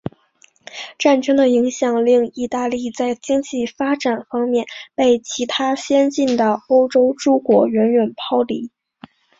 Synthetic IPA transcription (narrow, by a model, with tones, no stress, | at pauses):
ʈ͡ʂa˥˩nʈ͡ʂɤ˥ŋd̪ə˨i˧˥ŋɕjɑ˨˩ŋli˥˧ŋi˥˧t̪a˥˧li˥˧t͡sa˥˩ɪt͡ɕi˥ŋt͡ɕi˥˩fa˥ʈ͡ʂa˨˩nfɑ˥ŋmjɛ˥˧npe˥˩ɪt͡ɕʰi˧˥t̪ʰa˥ɕjɛ˥nt͡ɕi˥˩nd̪ə˩o˥ʊʈ͡ʂo˥ʊʈ͡ʂu˥kwɔ˧˥ɥɛ˧˥nɥɛ˨˩npʰɑ˥ʊli˧˥